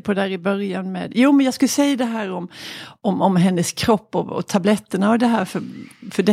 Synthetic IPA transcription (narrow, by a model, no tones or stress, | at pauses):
pʰɔd̪æːɾɪbœɾjanmḛːd̪juːmɛnjɑːɡskɵlːəsɛjːad̪ɛɦæːɾɔmɔmɔmɦɛnːəskʰɾɔpːɔ̰ɔ̰t̪ʰablɛt̪ːənaɔd̪ɛɦæːɾfœɾfœɖɛ